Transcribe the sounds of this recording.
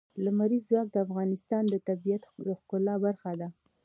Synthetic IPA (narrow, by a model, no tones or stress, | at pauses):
lamaɾizːwɑk̚d̪əafɣɑnɪst̪ɑnd̪ət̪abijat̪d̪əxkʊlɑbaɾxad̪a